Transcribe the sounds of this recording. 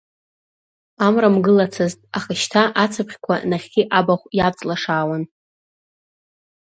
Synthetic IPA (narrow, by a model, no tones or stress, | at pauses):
amramɡɨlat͡sʰɨztʼaχəʃtʰaʔat͡sʰapχʲkʷʰa̰naχʲɡʲiʔabaχʷjat͡sʼlaʂaːwan